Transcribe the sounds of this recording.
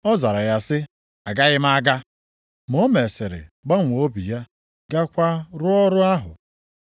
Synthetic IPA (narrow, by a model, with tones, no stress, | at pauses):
ɔ˦za˨ɾa˨ja˦sɪ˦ | a˨ɡa˦ɣɪ˦m˦a˦ɡa˦ | m˨o˦me˨se˨ɾɪ̰˨ɡ͡ba˦ŋʷ˨o˦bi˨ja˦ | ɡa˦kʷa˦ɾʊ˦ɔ˦ɾʊ˦a˦ɦʊ̰˨